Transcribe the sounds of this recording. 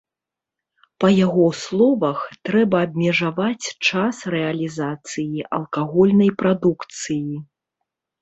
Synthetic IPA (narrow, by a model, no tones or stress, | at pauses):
pɐjaɣɔslˠɔvɐxt̪ɾɛbɐːbʲmʲɛʐavat͡sʲt͡ʂasrɛɐlʲizat̪sɨjiʔɐ̰lˠkaɣɔlʲnɐjpɾad̪ukt̪sɨji